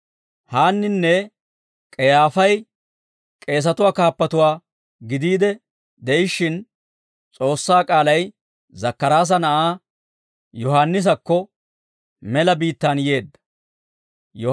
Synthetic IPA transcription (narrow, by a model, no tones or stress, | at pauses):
haːnːɪnːɛ | kʼɛjaːfɐj | kʼe̞ːs̬ɐt̪ʊwaːkaːpːɐt̪ʊwaː | ɡɪd̪iːd̪ɛ | d̪ɛjɪʃːɪn | t͡sʼo̞ːsːaːkʼaːlɐj | zɐkːɐɾaːs̬ɐnɐʔaː | jɔhaːnːɪs̬ɐkːɔ | mɛlɐbiːt̪ːanje̞ːd̪ːɐ̥ | jɔ